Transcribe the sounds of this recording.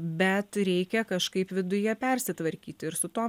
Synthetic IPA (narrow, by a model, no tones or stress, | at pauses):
bʲɛt̪ɾʲɛɪkʲɛkɐʃkɐɪpʋʲɪd̪ʊjɛpʲɛɾʲsʲɪt̪ʋɐɾʲkʲiːt̪ʲɪɾsʊt̪oː